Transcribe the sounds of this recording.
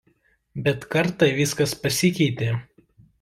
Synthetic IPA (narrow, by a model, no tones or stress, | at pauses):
bʲɛt̪kɐɾt̪ɐʋʲɪskɐspɐsʲɪkʲɛɪt̪ʲeː